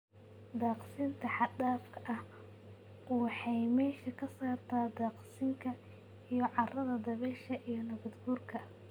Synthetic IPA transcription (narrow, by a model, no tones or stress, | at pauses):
d̪aːqsɪnt̪ʰɐħɑd̪aːfkʰɐʔɐh | ħɑjmɛːʃɐkʰɐsɔːrt̪ʰaːd̪aːqsɪŋkʰɐ | ijɞʕɑrɐðɐd̪ɐβɛʃɐʔijɞnɐβɐd̪ɡuːrkʰɐ